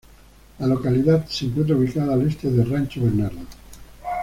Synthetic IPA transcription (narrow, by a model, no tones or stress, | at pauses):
lalokaliðat̪seŋkwent̪ɾauβikaðaːlest̪eðeranʲt͡ʃoβeneɾðo